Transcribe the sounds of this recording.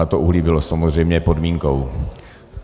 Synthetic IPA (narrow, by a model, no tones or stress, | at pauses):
at̪oʔuɦlibɪlosamozr̝ɛjmɲɛpo̞dmiːŋkow